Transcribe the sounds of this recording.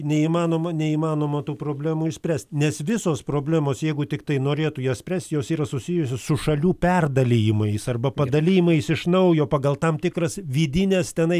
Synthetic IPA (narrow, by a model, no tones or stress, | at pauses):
nʲɛiːmɑːnoːmɐnʲɛiːmɑːnoːmɐt̪uːpɾoːbʲlʲæːmuːɪʃsʲpʲrʲæːsʲt̪ʲnʲɛsʋʲɪsoːspɾoːbʲlʲæːmoːsjɛɪɡʊt̪ʲɪkt̪ɐɪnoːɾʲeːt̪ʊjɛːsʲpʲɾʲæːsʲt̪joːsiːɾɐsʊsʲɪjʊsʲoːssʊʃɐlʲuːpʲɛrd̪ɐlʲɪjɪmɐɪsɐrbɐpɐd̪ɐlʲijɪmɐɪsɪʃnɐʊjoːpɑːɡɐlˠt̪ɐmt̪ʲɪkɾɐsʋʲiːd̪ʲɪnʲɛːst̪ʲɛnɐɪ